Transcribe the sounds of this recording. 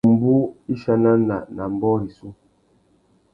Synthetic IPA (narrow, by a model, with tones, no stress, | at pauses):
m̩˨bu˦i˦ʃa˦na˦na˨na˨m̩˨bɔ˦ɾi˨su˦